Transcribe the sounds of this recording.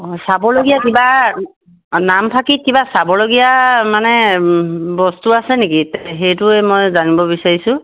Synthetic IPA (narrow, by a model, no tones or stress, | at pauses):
sabɔloɡijakiba | nampʰakikibasabɔloɡijamanɛ | bɔstuasɛnekitɦejtʊɛmɔjzanibɔbisaɹisʊ̃